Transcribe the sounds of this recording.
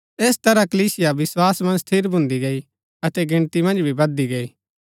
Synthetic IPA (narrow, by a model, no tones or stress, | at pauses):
eːst̪ɐɾakəliːsɪjaʋɪswaːsmɐ̃nst̪ʰɪɾbʱʊ̃nd̪iɡɐi | ɐt̪ɛɡɪ̃ɽ̃t̪imɐ̃nd͡ʒbʱibɐd̪iɡɐiː